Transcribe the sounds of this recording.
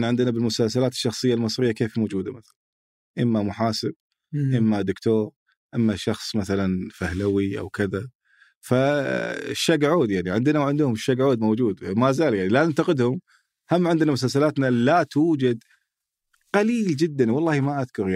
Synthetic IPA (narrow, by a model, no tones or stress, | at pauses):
nʕɪnd̪ənabɪlmʊsalsalaːt̪ɪ̥ʃːɑxsˤɨjːalmɨsˤɾɪjːakeːfmoːd͡ʒuːd̪amaθalan | ʔɪmːamʊħaːsɪb̚ | ʔɪmːad̪ʊkt̪oːɾ | ʔɪmːaʃɑxsˤmaθalanfahlawiʔa̰wkɪða | fa | ʃːaɡʕoːd̪jaʕniʕɪnd̪ɪnawʕɪnd̪hʊmʃːaɡʕoːd̪mowd͡ʒuːd̪mazaːljaʕnilanant̪aqɪd̪hʊm | hamːʕɪnd̪namʊs̬alsalaːt̪nalat̪uːd͡ʒad̪ | qaliːld͡ʒɪd̪ːanwɑlˤːɑːhimaʔaðkʊɾja